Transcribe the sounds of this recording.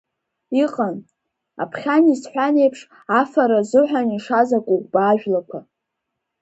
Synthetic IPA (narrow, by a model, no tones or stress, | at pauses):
iqʼan | a̰pʰχʲanisħʷane̞jpʰʂ | afaɾazɨħʷᶣaniʂazakʷʼuɡʷbaːʒᶣlakʷʰa